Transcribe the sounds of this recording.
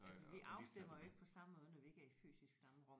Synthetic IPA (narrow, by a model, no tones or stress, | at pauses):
ælsəʋiʔɑ̈ʊsd̥em̰ɐjoe̝ɡ̥əpʰɒ̽sɑ̈məmɔ̽ːð̞ˠənɒʋie̝ɡ̥æɐify̰ːsisɡ̥sɑ̈məʁɒ̽m̰